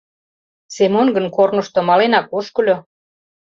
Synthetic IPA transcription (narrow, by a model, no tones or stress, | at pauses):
semonɡənkornɤ̆ʃt̪ŏmɑlenɑkoʃkɤ̆lʲo